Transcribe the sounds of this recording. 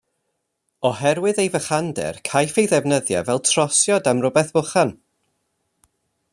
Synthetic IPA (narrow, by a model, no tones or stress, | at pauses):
ɔɦɛɾwɨðejvəχandɛ̰rkʰajfejðɛvnəðja̰vɛlˠtʰr̥ɔsjɔdamrʊbɛθb̥ʊχan